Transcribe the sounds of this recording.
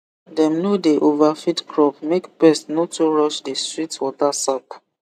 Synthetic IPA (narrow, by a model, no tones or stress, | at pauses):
dɛ̃mnodeʔovafitkɹɔp̚mekbɛstnotuɹɔʃdestɹitwɔtasɔp